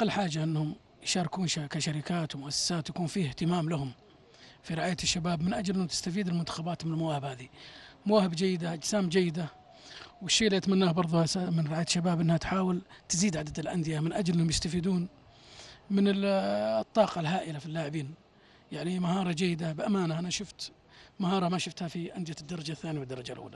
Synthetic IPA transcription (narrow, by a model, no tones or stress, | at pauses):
qːɑlːħaːd͡ʒaʔɪnːhʊm | jʃɑːɾˤɪkuːnʃakaʃaɾɪkaːt̪wmʊʔasːḁsaːt̪jakuːnfiːhɪht̪ɪmaːmlahʊm | fiɾɪʕaːjaʃːabaːbmɪnʔad͡ʒlʔɪnːʊt̪ɪ̥st̪afiːd̪ɪlmʊnt̪ḁxabaːt̪mɪnɪlmawaːhɪbhaːðimawaːhɪbd͡ʒajːɪd̪aʔad͡ʒsaːmd͡ʒajːɪd̪a | wɪʃːiːʔɪlːiɪt̪manːaːhbɑɾˤðˤʊhasamɪnɾɪaːjaʃːabaːbʔɪnːhat̪ħaːwɪlt̪ɪziːd̪ʕad̪ad̪ɪlʔa̰nd̪ɪjamɪnʔad͡ʒlʔɪnhʊmjɪst̪afiːd̪uːn | mɪnɪt̪ˤːɑːqɑlɦaːʔɪlafilːaːʕɪbiːn | jaʕnimahɑːɾˤɑd͡ʒajːɪd̪abʔamaːnaʔanaʃʊft̪ | mahɑːɾˤɑmaʃʊft̪hafiʔand̪ɪjad̪ːɑɾˤɑd͡ʒaθːaːniwɪd̪ːɑɾˤɑd͡ʒalʔṵːla